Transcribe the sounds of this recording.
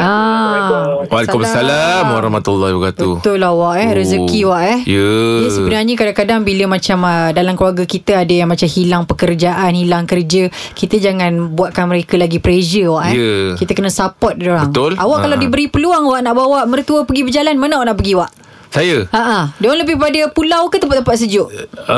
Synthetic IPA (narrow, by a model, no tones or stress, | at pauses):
ʔa | walekumsalamwaɾɔhmat̪ulːahbəkat̪but̪ʊlawaʔɛhɾəzəkiwaʔɛhjəjəsəbənarɲəkadaŋkadaŋbiləmãt͡ʃamədalamkluaɡəkit̪əadəjaŋmat͡ʃamhilaŋpəkərd͡ʒaʔanhilaŋkərd͡ʒəkit̪əd͡ʒaŋãnbuaʔ̪̚kanməɾekəlaɡipɾed͡ʒəwaʔɛjəkit̪əkənəsapɔt̪̚doɾabəŋt̪ʊlʔawaʔkalawdibəɾipəluaŋwaʔnaʔbawaʔmərt̪uəpəɡibəd͡ʒalanmənawʔnaʔpəɡiwaʔ | sajəaʔadəwaŋləbɪhpadəpulawkət̪əmpat̪̚ə̃pat̪s̬əd͡ʒʊʔ